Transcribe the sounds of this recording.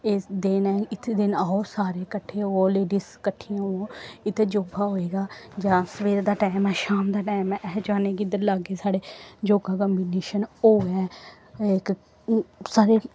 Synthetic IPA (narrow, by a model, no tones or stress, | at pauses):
eːd̪enɛːɪt̪ʰed̪ɪnaːoːsaːɾeːkəʈʰːeːoːleːɖiːskəʈʰːiãɦoõːɪt̪ːed͡ʒoːɡaːɦoːeːɡaːd͡ʒãːsəʋeːɾd̪aːʈaːmɛːʃaːmd̪aːʈaːmɛːʔɛːd͡ʒaːneːɡid̪əɾlaːɡeːsaːɽeːd͡ʒoːɡaːkəmbineːʃənoːɛː | ɪk | saːɾeː